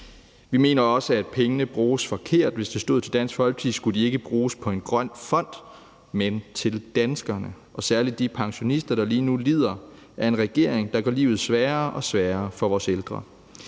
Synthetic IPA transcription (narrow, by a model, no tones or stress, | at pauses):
ʋime̝̰ːnɐɒ̽səæd̥̚pʰeŋənəb̥ʁuːsfɒ̽kʰe̝ɐ̰d̥ʋe̝sd̥e̝sd̥o̝ð̰ˠt͡sʰe̝ld̥æn̰sɡ̥fɒ̽lɡ̥t͡sʰisɡ̥ud̥ie̝ɡ̥əb̥ʁuːspʰɒ̽e̝nɡ̥ʁɶn̰fɒ̽n̰d̥ | ment͡sʰe̝ld̥ænsɡ̥ɐnə | ʔɒ̽sæɐlid̥ːipʰɑ̈ŋɕo̝nisd̥ɐɾ̥ɑ̈liːnulḭð̰ˠɐ | æɐe̝nʁɛɡ̥e̝ɐ̰e̝ŋd̥ɑ̈ɡ̥ɶ̰lḭːʊð̩ˠsʋæːɐʔɒ̽sʋæːɐfɒ̽ʋɒːseld̥ʁɐ